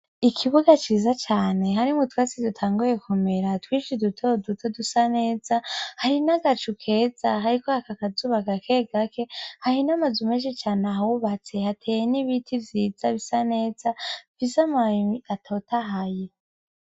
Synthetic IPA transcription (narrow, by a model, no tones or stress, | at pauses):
ikʰiβuɡat͡ʃiːzat͡ʃaːne̞ɦaɾimutwat͡sidutʰaːŋɡuje̞kume̞ɾatwiːʃidutʰodutʰodusane̞ːzahaɾinaɡat͡ʃukʰe̞ːz̥aɦaɾikohakakazuβakakʰeɡakʰe̞hahinamazumeːʃ̬et͡ʃaːneaɦauβat͡se̞hatʰeːjeniβitʰivjiːz̥aβisane̞ːz̥avizamaiatʰo̞taɦaje